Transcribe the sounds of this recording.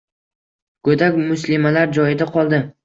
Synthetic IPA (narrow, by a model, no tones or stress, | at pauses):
ɡ̥ɵd̪akʲmʊslɪmalaɾd͡ʒɒjɪd̪aqʰɒlˠd̪ɪ